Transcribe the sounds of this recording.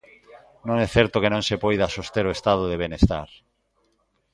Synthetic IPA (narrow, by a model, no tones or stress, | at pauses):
nõŋɛθɛɾt̪okenõŋsepojðasost̪eɾoest̪að̞oðeβenest̪a̰ɾ